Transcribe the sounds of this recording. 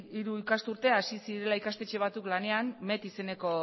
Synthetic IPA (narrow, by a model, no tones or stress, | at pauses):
iɾuikast̪uɾt̪e̞asisiɾe̞laikast̪e̞t͡ʃe̞β̞at͡suklane̞anme̞t̪ise̞ne̞ko̞